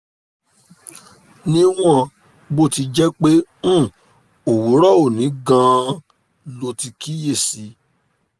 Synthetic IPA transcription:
nĩ˦w̃ɔ̃˦˨ | bo˦˨ti˧d͡ʒɛ˦k͡pẽ˦˨ | o˨wu˨˦ɾɔ˦o˦˨nĩ˨˦ɡã˦˧ | lo˧ti˧ki˦je˦˨si˨˦

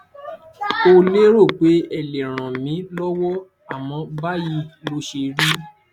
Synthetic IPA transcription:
o˧le˦ɾo˦˨k͡pe˨˦ɛ˨le˨ɾ̃ã˨mĩ˨˦lɔ˦wɔ˦ | a˦˨mɔ̃˧ba˦ji˧lo˧ʃe˧ɾi˦

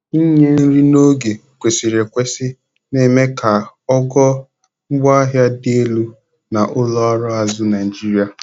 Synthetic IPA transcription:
i˦ɲe˦n̩˦ɾi˦no˦ɡe˨ | kʷe˨si˨ɾe˨kʷe˦sɪ˦ | ne˨me˦ka˨ɔ˦ɡɔ˦ | ŋ͡m̩˦ɡ͡ba˦a˦ɦja˦de˦e˦lu˦ | na˨ʔʊ˦lɔ˦a˦ɾɔ˦a˨zʊ˦na˨i˨d͡ʒi˦ɾi˨a˨

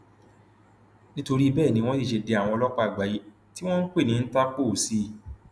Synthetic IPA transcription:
nĩ˦to˧ɾi˦˧bɛː˦˨nĩ˧w̃ɔ̃˦de˦˨ʃe˧de˧˦a˨wɔ̃˧ɔ˧lɔ˦k͡pa˦˨ɡ͡ba˨ji˨˦ | ti˦w̃ɔ̃˦n̩˦k͡pe˦˨nĩ˨˧n̩˦ta˦k͡po˦˨si˧˦

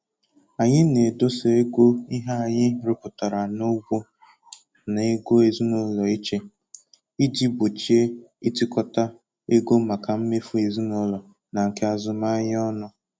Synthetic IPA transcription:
a˨ɲɪ˦ne˨do˦se˨e˦ɡʷo˦i˦ɦa˦a˨ɲɪ˦ɾo˦pʊ˨ta˨ɾa˨no˦ɡʷo˦ | ne˨e˦ɡo˦e˨zi˦nʊ˦lɔ˨i˦t͡ʃe˦ | i˦di˦bo˨t͡ʃi˦e˦i˦tɪ˦kɔ˦ta˦ | e˦ɡo˦ma˨ka˨m̩˦me˦fu˦e˨zi˦no˦lɔ˨ | na˨ŋ̩˨ke˦a˨zʊ˨ma˦ɲ˦ɔ˦nʊ˦

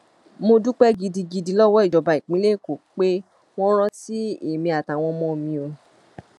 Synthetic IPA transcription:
mo˧du˦k͡pɛ˦ɡi˧di˧ɡi˧di˧lɔ˦wɔ˦i˦˨d͡ʒɔ˨˧ba˧i˨k͡pĩ˨˦le˦i˦˨ko˨k͡pe˦ | w̃ɔ̃˦ɾ̃ɔ̃˦si˦e˦˨mĩ˧a˨ta˨w̃ɔ̃˧˦mɔ̃˦˧mĩ˧o˧

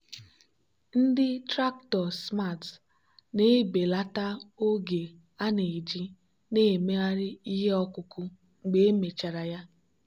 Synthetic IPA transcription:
n̩˦dɪ˦tɾa˦k̚tɔ˨sma˦˨t | ne˦be˨la˦ta˦o˦ɡe˨ | a˦ne˨d͡ʒi˦ | ne˦˨me˦a˦ɾɪ˦i˦ɦe˦ɔ˦kʊ˨kʊ˦ | ŋ͡m̩˨ɡ͡be˦e˦me˨t͡ʃa˨ɾa˨ja˦

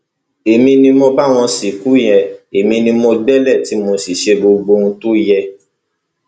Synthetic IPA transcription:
e˨mĩ˧nĩ˧mɔ̃˧ba˦˨w̃ɔ̃˧si˨ku˨˦jɛ̃˧e˨mĩ˧nĩ˧mõ˧ɡ͡bɛ˦lɛ˦˨ti˨˦mo˧si˨ʃe˧ɡ͡bo˧ɡ͡bo˧ũ˧to˦jɛ˧

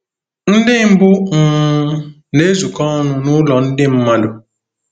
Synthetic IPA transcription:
n̩˦dɪ˦m̩˦bʊ˦˨˦ | ne˦zu˨kɔ˦nʊ˦nʊ˦lɔ˨n̩˦dɪ˦m̩˦ma˦dʊ˨

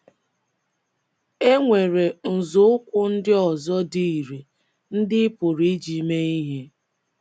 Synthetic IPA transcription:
e˦ŋʷe˨ɾe˨n̩˨zʊ˨˦ʊ˦kʷʊ˦n̩˦dɪ˦ɔ˨zɔ˦di˦i˨ɾe˨ | n̩˦dɪ˦pʊ˨ɾi˦d͡ʒi˨me˦i˦ɦe˦

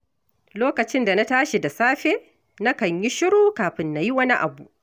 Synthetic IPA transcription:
loː˦kɐ˨t͡ʃɪ˦nda˨na˦taː˦ʃi˨da˨saː˦ɸeː˦ | na˦kɐ˨ɲji˦ʃɪ˦ɽoː˦kaː˨ɸɪ˦nːa˨ji˦wɐ˦ni˦ʔa̰˨bu˨ʔ

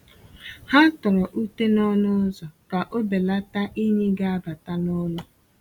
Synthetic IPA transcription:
ha˦tʊ˨ɾɔ˨ʔu˦te˦nɔ˦nʊ˦zɔ˨ka˨ʔo˦be˨la˦ta˦ʔi˦ɲe˦ɡa˦a˦ba˨ta˦nʊ˦lʊ˦

